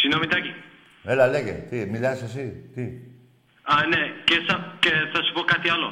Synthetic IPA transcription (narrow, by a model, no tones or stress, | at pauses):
sinõmit̪aki | elaleɣḛt̪imiʎasas̬it̪i | anekesakeθasuβokat̪ialo